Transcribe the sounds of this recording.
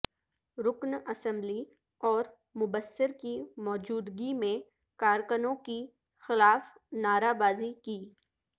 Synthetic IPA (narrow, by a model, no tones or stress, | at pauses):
ɾʊknɐsə̃mbli | ɔːɾ | mʊbəsːɪɾkimɔːd͡ʒuːd̪ɡimẽ | kaːɾkənõki | xɪlaːfnaːɾabaːzikiː